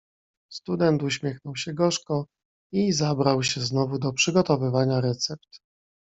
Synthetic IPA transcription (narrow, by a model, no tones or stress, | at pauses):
st̪ud̪ɛnt̪uɕmʲjɛxnɔwɕɛɡɔʂkɔ | izabɾawɕɛznɔvud̪ɔpʂɘɡɔt̪ɔvɘvaɲaɾɛt̪sɛp̚t̪